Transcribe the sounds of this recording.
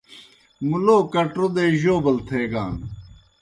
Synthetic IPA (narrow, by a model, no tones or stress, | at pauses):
muloːkɐʈɾod̪eːʑoːbɐlt̪ʰeːɡaːn